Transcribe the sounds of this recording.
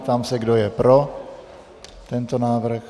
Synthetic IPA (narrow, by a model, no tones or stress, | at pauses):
t̪amsɛɡdojɛpɾo | t̪ɛnt̪onaːvɾ̩x